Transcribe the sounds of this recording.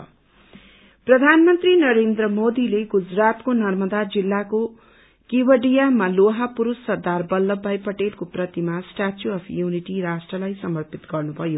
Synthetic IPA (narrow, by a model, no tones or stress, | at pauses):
prʌd̪ʱanmʌnt̪rinʌɾend̪ɾʌmod̪ileɡud͡zrat̪konʌrmʌd̪ad͡zilːako | kiwʌɖijamaloɦapuɾusːʌrd̪arbʌlːʌbːajpʌʈelkoprʌt̪imasʈatjuʌpʰjuniʈiɾasʈrʌlajsʌmʌrpit̪ɡʌrnubʱʌjo